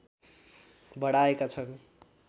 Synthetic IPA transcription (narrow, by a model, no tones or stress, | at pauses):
bʌɽaekat͡sʰʌn